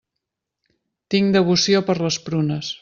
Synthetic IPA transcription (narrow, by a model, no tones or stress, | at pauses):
t̪iŋd̪əβ̞usiopəɾləspɾunəs